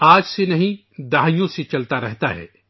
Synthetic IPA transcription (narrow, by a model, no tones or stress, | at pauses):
aːd͡ʒsenɐɦĩ | d̪aɦijõset͡ʃɐlt̪aɾɛɦt̪aɦɛ̰ː